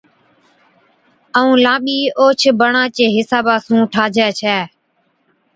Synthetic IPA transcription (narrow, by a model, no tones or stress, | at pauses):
əũːlãːɓiːoːt͡ʃʰbəɳãːt͡ʃeːɦɪsaːbaːsũːʈʰaːd͡ʒɛːt͡ʃʰɛː